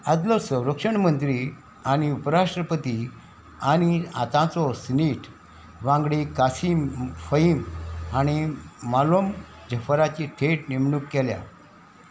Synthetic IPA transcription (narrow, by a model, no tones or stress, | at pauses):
ad͡z̪lɔsə̃w̃ɾəkʂəɳmənt̪ɾi | añiupəɾaʂʈɾəpət̪i | aɽ̃iat̪ãt͡sɔsniʈʰ | ʋãŋɡɽikasimfəimaɽ̃imalom | d͡ʑəfɾat͡ɕiʈʰeʈnimɳukːɛlja̰